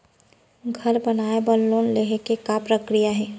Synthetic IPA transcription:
ɡʱɐɾbənaːebəlloːnleɦekekapɾəkɾijaɦɛː

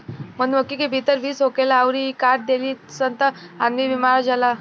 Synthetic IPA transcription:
m̤ənnʋəkːikibʱit̪əɾʋiːsɦokelaːʋɾikaɾʈ̚d̪eliːsənt̪əanːiːbimaɾad͡zala

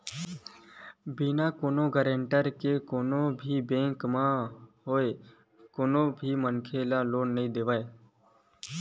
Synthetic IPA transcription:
binakoːnoɡəɾə̃ɳʈəɾkekoːnobʱibẽːŋkmãɦoːe | koːnobʱimənkʰeːlaloːnːəɦĩd̪eːʋaːe

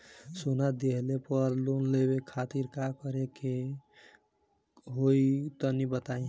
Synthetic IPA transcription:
sonad̪eɦlepəɾlonlebekʰat̪iɾkakəɾeke | ɦoit̪ɔnibət̪aĩ

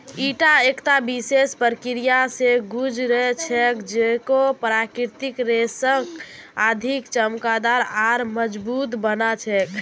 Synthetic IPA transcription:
iʈaekt̪abisespəɾkiɾijaseɡud͡ʒɾəɦɛt͡ʃʰɛkd͡ʒekopɾakiɾt̪ikɾesəkad̪ʱikt͡ʃəmkad̪aɾaɾməd͡ʒbut̪bənat͡ʃʰɛk

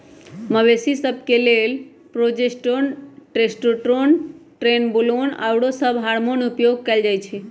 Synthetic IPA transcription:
məbesisəb̚ʱkelel | pɾod͡ʒesʈonʈɾesʈoʈɾonʈɾenbulona̰wɽosəbɦaɾmonupjoɡ̚kɛld͡ʒajt͡ʃʰi

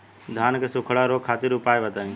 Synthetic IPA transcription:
d̪ʱaːnkʰeːsʊkʰɽaːɾoːkʰːaːt̪ɪɾʊpaːeʋət̪aːĩː

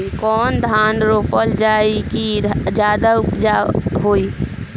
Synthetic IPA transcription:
ikɔːnd̪ʱaːnɾoːpəld͡ʒaːikid͡ʒjaːd̪aʊpd͡ʒaɦoːi

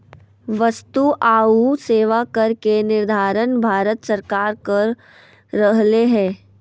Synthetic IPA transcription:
ʋɐst̪uʔaːuseːʋakɐɾkenɪɾd̪ʱaːɾənbʱaːɾət̪səɾkaːɾkəɾː | əɦleɦɛ̃ː

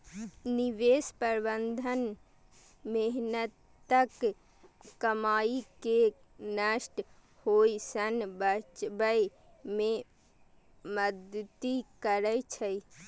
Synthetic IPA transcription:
niʋespəɾbənd̪ʱən | meɦnət̪ː | ək | kəmaːike | nəʃʈ | hoːisənbət͡ʃbəj | mẽ | məd̪t̪ikəɾəjt͡ʃʰəi

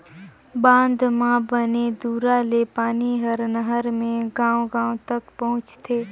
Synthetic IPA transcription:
bãːnd̪mãbəned̪uːɾalepaːniɦəɾnəɦəɾmẽɡãːwɡãːõt̪ək̚pɐɦʊ̃t͡ʃt̪ʰeː

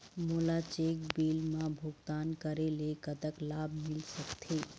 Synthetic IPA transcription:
molat͡ʃeːkbelmãbʱoɡt̪ankəɾelekət̪əklabʱmɪlsəkt̪ʰe

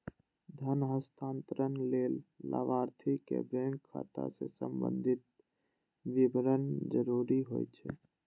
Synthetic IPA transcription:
d̪ʱənɦəst̪ʰaːnt̪ɾənlelːa̰ʋaɾt̪ʰikḛbɾeŋkʰːa̰t̪a̰sesəmbə̰nd̪ʱit̪̚ | ʋibɾənd͡ʒəɾuɾiɦo̰jt͡ʃʰɛ

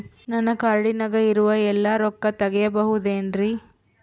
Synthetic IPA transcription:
nɐnːɐkaːɾɽinɐɡɐiɾuʋɐɛlːɐɾɔkːɐt̪ɐɡɛjɐbɐɦud̪eːnɾi

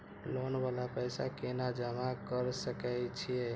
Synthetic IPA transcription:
lonbalapəjsa̰kenad͡ʒəmakəɾsəkəjt͡ʃʰije

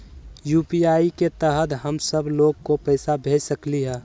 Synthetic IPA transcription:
juːpiaːiket̪əɦət̪ɦəmsəbloːɡ̚kopəɪsabʱeːd͡ʒsəkliɦɛ̃ː

